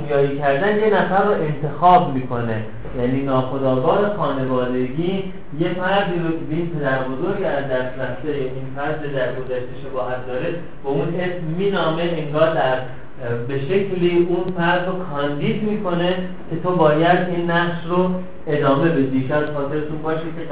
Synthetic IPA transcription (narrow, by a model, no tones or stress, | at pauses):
njɒːiːcʰæɾd̪ænje̞næfæɾːoʔe̞nt̪ʰe̞xɒːbmiːkʰo̞ne̞ | jæniːnɒːxo̞d̪ɒːɡɒːɾe̞xɒːne̞vɒːd̪e̞ɡiː | je̞fæɾd̪iːɾocʰebiːnpʰe̞d̪æɾbozo̞ɾɡæzd̪æst̪ɾæft̪ejʔinfæɾd̪ed̪æɾɡo̞zæʃt̪e̞ʃebɒːɦæt̪̚d̪ɒːɾe̞ | beune̞smːiːnɒːme̞eŋɡɒːɾd̪æɾ | be̞ʃe̞cʰliːunfæɾd̪ɾokʰɒːnd̪iːd̪miːkʰo̞ne̞ | cʰe̞t̪ʰobɒːjæd̪inːæɣʃro | e̞d̪ɒːme̞be̞d̪icʰɛæzxɒːt̪ʰe̞ɾet̪ʰunbɒːʃikʰe